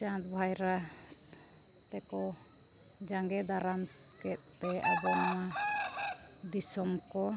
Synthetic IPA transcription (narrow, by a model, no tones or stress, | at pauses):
t͡ʃãt̪bʱajɾa | t̪ɛkɔ | d͡ʒaŋɡɛd̪aɾam | kɛt̪̚pɛa̰bɔnama | d̪isɔmkɔ